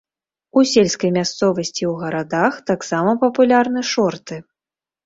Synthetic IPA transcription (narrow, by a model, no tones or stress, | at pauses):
usʲelʲskɐjmʲast̪sɔvɐsʲt͡sʲiwɣɐɾad̪axt̪aksamɐpɐpulʲarn̪ɨʂɔrt̪ɨ